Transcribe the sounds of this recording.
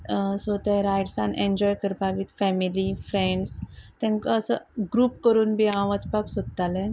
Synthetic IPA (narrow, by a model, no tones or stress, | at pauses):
sot̪ɛɾajɖsãnʔẽɲd͡ʑɔjkəɾpaʋit̪fɛmilifɾeɳɖst̪ɛ̃ŋkaəsəɡɾuːpkəɾuːnbiãʋət͡spaksod̪t̪alɛ̃n